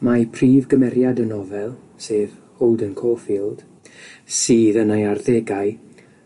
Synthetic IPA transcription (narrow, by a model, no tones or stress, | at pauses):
mapʰriːvɡəmɛɾjadənɔvɛlˠ | seːðhowˠdənkʰoːfiːlˠd̥ | siːðənajarðɛɡaɨ